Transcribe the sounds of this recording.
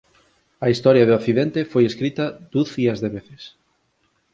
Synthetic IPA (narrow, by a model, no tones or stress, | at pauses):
ɐist̪ɔɾjɐðokθiðent̪efojeskɾit̪ɐd̪̥uθiɐzðeβeθes